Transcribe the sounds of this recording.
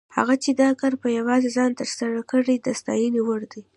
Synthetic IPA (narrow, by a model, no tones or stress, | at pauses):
ha̰ɣat͡ʃed̪ɑkaɾpəjawɑzezɑnt̪əɾsaɾakəɽid̪əst̪ɑ̰jəniwəɽd̪i